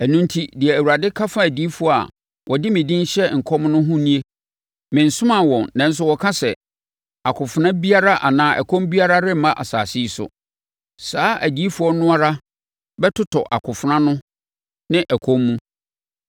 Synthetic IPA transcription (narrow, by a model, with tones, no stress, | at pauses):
æ˨nũ˦n˦tʰi˦dɪ˨ɛ˨æ˨wu˨ɾa˨dɪ˦kʰa˦fã˦æ˨di˨˦i˦fu˨˦ɔ˦a̰˨ | wʔɔ˨dɪ˦mɪ̃˨dĩ˦n˦ɕɛ˦ŋ̩˨kʰɔ˦m˦nʊ̃˦ɦʊ̃˦nĩ˦e˦ | mɪ̃˨n̩˨sʊ˦mã˦˨wɔ̃˨nnã˦n̩˦s̬ʊ˦wɔ˨kʰã˦sɛ˨ | a˨kʰʊ˨fʊ˨nã˦bi˦a˦ɾa˦ʔa˨nãː˨˦˨ʔæ̰˨kʰɔ̃˦mbi˦a˦ɾa˦ɾɪ˦m˦mã˦ʔa̰˨saː˨si˦i˦sʊ̰˨ | saː˦ʔæ˨di˨˦fu˦ɔ˦nʊ̃˦a˦ɾa˦ | bɛ˦tʰʊ˦tʰɔ˨ʔa˨kʰʊ˨fʊ˨nã˦nʊ̃˦ | nɪ̃˦ʔæ˨kʰɔ̃˦mːũ˦